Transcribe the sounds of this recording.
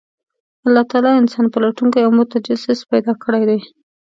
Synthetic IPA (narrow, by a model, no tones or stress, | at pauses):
alːɑt̪ɑɑlɑɪnsɑnpəlaʈuŋkajawmʊt̪ad͡ʒasɪspajd̪ɑkəɽajd̪aj